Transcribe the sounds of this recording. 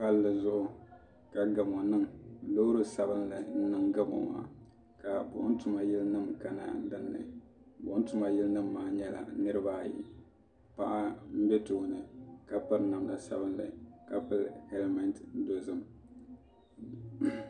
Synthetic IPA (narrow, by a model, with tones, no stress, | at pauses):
ka˦lːɨ˨zʊ˦ʔʊ˨ | ka˨ɡa˨m˨ɔ˨nɨ˦ŋlo˦ɾo˦sa˨bɨ˦nlɨ˨n̩˦nɨ˦ŋɡa˦mo̰˨ma̰ː˦˨ | ka˨bʊ̰˨ʔʊ˦n˦tʊ˨ma˨jɪ˦lnɨ˦mka˨na̰˨n˦dɨ˦nːɨ̰˨ | bʊ˨ʔʊ˦n˦tʊ˦ma˨jɪ˦lnɨ˦mːaː˦ɲɛ˦la̰˨nɨ˦ɾɨ˦baː˦˨jḭ˨ | pa˦ʔa˦m̩˦bɛ˦toː˨nɨ˨ka˨pɨ˦ɾna˨mla˨sa˦bɨ˦nlɨ̰˨ka˨pɨ˦lhɛ˦lma˨˦ntdo˨zɨ˦m